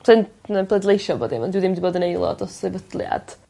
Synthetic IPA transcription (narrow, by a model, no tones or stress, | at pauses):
sʰɛnnəbʰlˠɛdlˠejʃɔboːdɪmɔndwɛdɪmdiboːdənejlˠɔ̰dɔsevədlˠja̰d̥